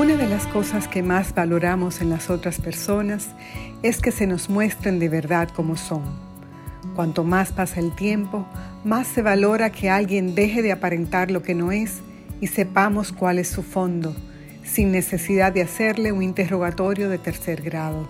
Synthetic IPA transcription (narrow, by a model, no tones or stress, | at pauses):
unaðe̞lasko̞saskemazbalo̞ɾamo̞se̞nlaso̞t̪ɾaspe̞ɾso̞nas | e̞ske̞se̞no̞smwe̞st̪ɾend̪eβ̞e̞ɾðaðko̞mo̞so̞ŋ | kwant̪o̞maspasaelt̪je̞mpo̞ | masːe̞βalo̞ɾakʰe̞alɣje̞nd̪e̞ɦe̞ðeapaɾe̞nt̪aɾlo̞ke̞no̞e̞s | ise̞pamo̞skwale̞sːufo̞nd̪o | sinːe̞se̞siðaease̞ɾle̞uŋint̪erro̞ɣ̞at̪o̞ɾjo̞ð̞e̞t̪e̞ɾse̞ɾɣɾað̞o̞